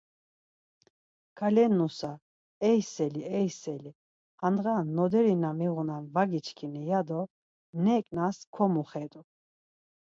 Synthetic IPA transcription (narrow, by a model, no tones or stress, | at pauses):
kʰalɛnːusa | ɛjsɛliɛjsɛli | hanʁanːɔd̪ɛɾinamiʁunanvaɡit͡ʃʰkʰinɛjad̪ɔ | nɛkʼnaskʰɔmuχɛd̪u